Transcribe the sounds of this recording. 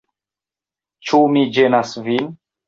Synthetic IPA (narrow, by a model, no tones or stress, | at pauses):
t͡ʃumid͡ʒenasvin